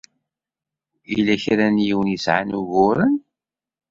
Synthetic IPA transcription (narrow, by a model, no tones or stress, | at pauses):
ḭlæçɾænjiwənisʕanuɣʊɾən